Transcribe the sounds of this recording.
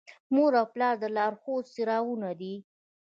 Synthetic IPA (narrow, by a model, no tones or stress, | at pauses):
moɾawplɑɾd̪əlɑɾxossiɾɑwunad̪i